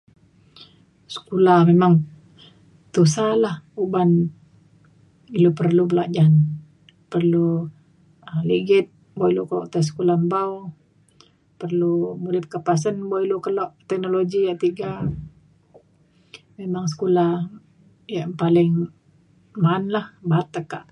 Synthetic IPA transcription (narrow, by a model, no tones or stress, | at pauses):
sə̥kulahmemaŋ | t̪usalahuban | ilupərlubəlad͡ʒan | pərlu | əmliɡɪt̪̚ | boiluklɔ̰ʔt̪as̬ə̥kulahmbau | pərlumulɪt̚kəpas̬ənboilukəlɔʔt̪ɛk̚noloɡijaʔt̪iɡa | memaŋs̬ə̥kulah | jaʔpalɪŋ | manlahbat̪əkːaʔ